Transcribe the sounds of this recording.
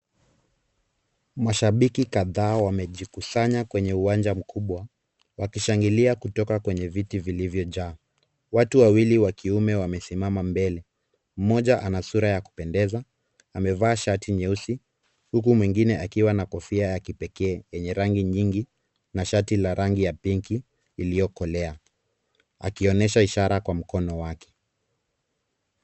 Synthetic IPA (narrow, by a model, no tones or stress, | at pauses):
maʃaɓikikaðaːwamɛʄikusaɲakwɛɲɛuwand͡ʒam̩kʰuɓwa | wakiʃaŋɡiliakutɔkakwɛɲɛvitivilivjɔʄaː | watuwawiliwakʰiumɛwamɛsimamambɛlɛ | m̩mɔʄaʔanasuɾajaku̥pɛndɛza | amɛvaːʃatʰiɲɛusi | hukumwiŋɡinɛʔakiwanakɔfiajakipɛkɛːjɛɲɛɾaŋɡiɲiŋɡi | naʃatilaɾaŋɡijapiŋkiː | lijɔkɔlɛa | a̰kiɔnɛʃaiʃaɾakwam̩kɔnɔwakɛ̥